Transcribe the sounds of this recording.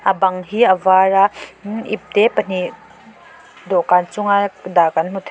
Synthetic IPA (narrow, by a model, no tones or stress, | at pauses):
ʔəbɐŋɦiʔəvaːɹaʔḭp̚t̪ɛpən̥i | d̪ɔkaːnt͡sʊŋad̪akɐnm̥ut̪ʰ